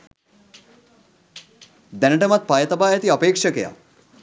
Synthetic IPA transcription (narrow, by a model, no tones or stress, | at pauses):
d̪ɛnɐʈemat̪̚paːjɐt̪ɐbaːjɐt̪iɐpeːkʂɐkḛja̰